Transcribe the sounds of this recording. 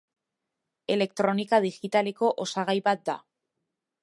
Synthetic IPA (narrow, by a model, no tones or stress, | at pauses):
e̞le̞k̚t̪ɾo̞nikað̞iʝit̪ale̞ko̞ʔosaɣ̞ajβat̪̚d̪a